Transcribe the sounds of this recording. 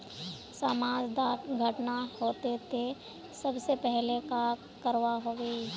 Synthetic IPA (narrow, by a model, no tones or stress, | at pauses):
saːmaːd͡ʒd̪aːʈɡʱəʈnahoːt̪et̪ʰe | sɐbsepɛɦleka | kəɾʋaɦoːɡeː